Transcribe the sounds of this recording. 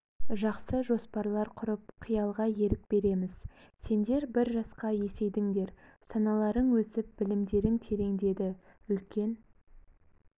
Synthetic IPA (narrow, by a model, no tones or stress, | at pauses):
ʒɑqsəʒo̞spɑɾlˠɑɾqʰʊɾəpqʰijɑlˠʁɑje̞ɾɪk̚b̥e̞ɾe̞mɪz̥ | se̞nd̪e̞ɾbɪɾʒɑsqɑje̞se̞jd̪ɪŋd̪e̞ɾsɑnɑlˠɑɾəɴwɵsɪp̚b̥ɪlɪmd̪e̞ɾɪŋt̪ʰe̞ɾe̞ŋd̪e̞d̪ɪʏlkʲe̞n